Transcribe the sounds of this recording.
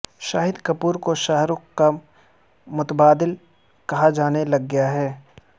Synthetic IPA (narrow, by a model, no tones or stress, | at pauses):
ʃaːɦɪd̪kɐpuːɾkoʃaɦɾʊkka | mʊt̪əbaːd̪ɪl | kɐɦad͡ʒaːnelɐɡːɐjaɦɛː